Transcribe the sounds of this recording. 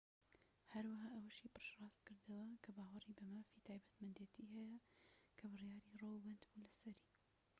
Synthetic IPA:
hɐɾwɐɦaːʔɐwɐʃiːpɨɾʃrˤɑːst̪̚kɨɾd̪ɐwɐkʰɐbaːwɐriːbɐmaːfit̪ʰaːjbɐt̪mɐnd̪eːt̪iːhɛjɐkʰɐbɨrjaːɾiːrowbɐnd̪bulɐsɐɾiː

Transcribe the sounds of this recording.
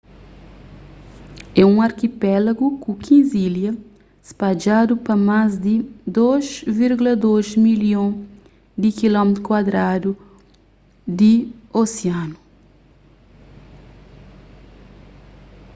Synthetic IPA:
ɛũaɾkipɛlaɡukũkʰĩziljɐ | spad͡ʒad̪upɐmazd̪ɪd̪ozviɾɡulɐd̪ozmiljõ | d̪ɪkilɔmet̪ɾukwad̪ɾad̪u | d̪ɪoseãnʊ

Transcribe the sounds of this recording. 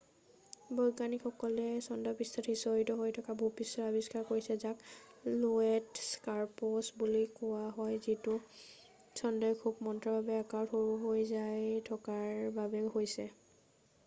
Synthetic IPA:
bɔjɡanikxɔkɔlɛsɔndɔpistʰatʰisoɹitɔɦojtʰɔkabupisɔɹabiskaɹkoɹisɛzakluɛtskaɹposbulikɔwaɦɔjzitu | sɔndɔjkʰubmɔntɹɔbabɛakaɹtxoɹuɦojzajtʰɔkaɹbabɛhojsɛ

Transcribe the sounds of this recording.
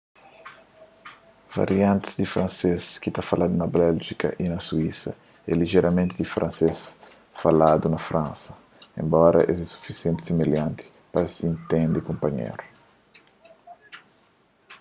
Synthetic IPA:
va̰ɾiãnt̪i̥sd̪ifɾɐ̃nseskit̪afalad̪unɐbɛlʒikɐ̰ʔinɐsuisɐ̰ | ɛ̰liʒeɾɐmẽnt̪id̪ifɾʔãnses | falad̪unɐfɾãnsɐ̥ | ḛ̃mbɔɾɐ̰ʔezɛsu̥fisijẽnt̪i̥semeljãnt̪i̥ | pɐsiĩnt̪ẽnd̪ikõmpɐɲḛɾu

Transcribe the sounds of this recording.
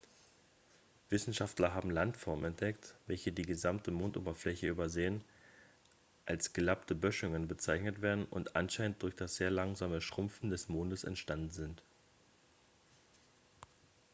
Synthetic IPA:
v̥ɪsn̩ʃaftlɐɦaːbm̩lantfɔɐmmɛnt̚d̥ɛktv̥ɛlçədiːɡəzamtʰəmoːnto̰ːbɐflɛçəʔyːbɐzeːən | ʔalsɡ̥əlaptʰəbœʃʊŋənbət͡saɪçnətv̥eːɐdn̩ʔʊ̰ntʔa̰nʃaɪnənt̚d̥ʊɐçd̥asz̥eːɐlaŋzaːməʃʁ̥ʊmfn̩dɛsmoːndəsɛ̰ntʃtandn̩zɪnt

